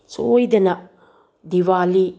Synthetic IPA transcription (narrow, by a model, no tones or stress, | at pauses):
soːjid̪ɐnɐ | d̪iʋaːli